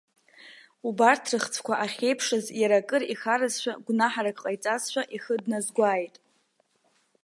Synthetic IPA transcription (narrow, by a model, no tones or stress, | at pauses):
ubartʰrɨχt͡sʰkʷʰaʔaχʲejpʰʂɨzjaɾakʼɨrixaɾɨzʃʷᶣaɡʷnaħaɾakʼqʼajt͡sʼazʃʷᶣaʔiχədnazɡʷaːjtʼ